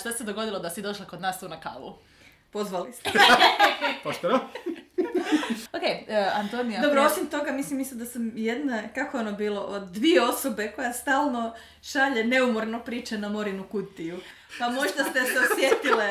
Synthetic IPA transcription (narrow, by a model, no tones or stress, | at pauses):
ʃt̪ased̪oɡo̞d̪ilˠod̪asid̪o̞ʃlˠakod̪naːst̪uːnaka̰ːlˠṵ | po̞zʋalist̪e | poʃt̪oʋam | okejant̪onijad̪obɾoosimt̪o̞ɡamislimːisimd̪asamjed̪nakako̞eonobiːlo̞d̪ʋieo̞so̞be̞ko̞jast̪aːlˠno̞ | ʃaʎe̞ne̞umoɾnopɾiːt͡ʃanamo̞ɾinukut̪iju | pamo̞ʒd̪ast̪e̞seosʋjet̪ile